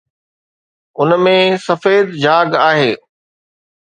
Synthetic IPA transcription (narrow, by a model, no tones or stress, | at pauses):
ʊnmẽsɐfeːd̪d͡ʑaːɡaːɦeː